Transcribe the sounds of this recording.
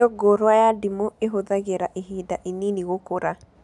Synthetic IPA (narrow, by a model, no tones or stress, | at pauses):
ɔɡoɾwajadimoeɦoðaɡɛɾaʔiɦidaʔininiɣokoɾa